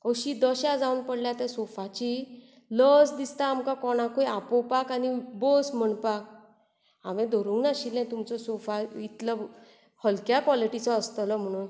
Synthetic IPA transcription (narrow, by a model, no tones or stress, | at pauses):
kəɕid̪əɕad͡zaunpəɽljat̪ɛsofat͡ɕi | ləsd̪ist̪aːmkakɔɽ̃ãkojapɔpakanibɔsm̤əɳpak̚ | aʋẽd̪ʱɔɾuwnaɕilɛ̃t̪umt͡sɔsofait̪lə | həlkjakʋɔliʈit͡sɔːst̪əlɔm̤əɽ̃uːn